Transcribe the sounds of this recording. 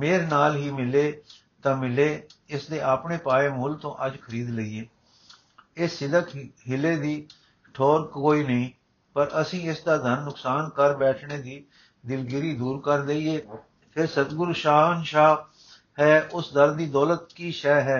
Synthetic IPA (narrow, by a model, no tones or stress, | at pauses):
meːɾenaːlɦiːmɪleː | t̪ãːmɪleːɪsd̪eːʔaːpɳeːpaːeːmʊʊlt̪õːʔəd͡ʒkʰəɾiːd̪ləiːeː | ɪsːɪd̪əkɦɪleːd̪iː | ʈʰoːɾkkoːiːnəĩː | pəɾəsĩːɪsd̪aːd̪ʱənːʊksaːnkəɾbɛːʈʰneːd̪iː | d̪ɪlɡɪɾiːd̪uːɾkəɾd̪eieː | pʰɪɾsət̪ɡʊɾʃaːənʃaː | hɛːʊsd̪əɾd̪iːd̪ɔːlət̪̚kiːʃɛːɦɛː